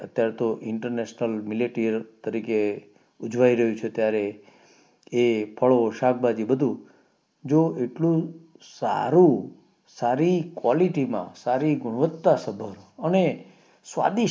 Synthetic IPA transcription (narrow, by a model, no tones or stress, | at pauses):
ət̪jaɾet̪oʔɪɳʈəɾneʃnəlmɪleʈiɾt̪əɾike | ud͡ʒʋaiɾəɦũt͡ʃʰet̪jaɾe | epʰəɭoʃak̚ʰbad͡ʒibəd̪ʱũ | d͡ʒoeʈlũ | sa̰ɾũ | saɾikwɔliʈimã̰saɾiɡʊɽ̃ʋət̪ːasəbʱəɾəne | sʋa̰d̪i